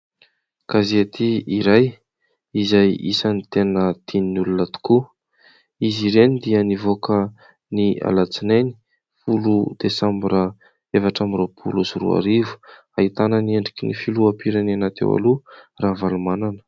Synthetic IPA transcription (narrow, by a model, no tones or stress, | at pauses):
kazet̪iiɾaj | izajḭsənit̪enəd̪̥ininulunət̪u̥ku | iziɾenid̪iənivokə | nia̰lat͡sineni̥ | fulud̪̥esambɾa | efaʈ͡ʂamiɾopʰṵlusurṵa̰ɾivu̥ | ait̪anənieɳɖ͡ʐikʲinifiluapiɾananat̪ḛwa̰luraɦvalumananə̥